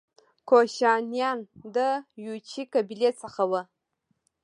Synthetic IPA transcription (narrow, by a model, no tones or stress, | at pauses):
kʰoɕɑnjɑnd̪əjut͡ʃʰikabilet͡səχawə